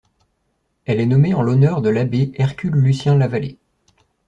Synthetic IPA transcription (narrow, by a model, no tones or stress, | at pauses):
ɛlɛnɔmeɑ̃lɔnœʁd̪əlabeɛʁkʲylːysjɛ̃lavalḛ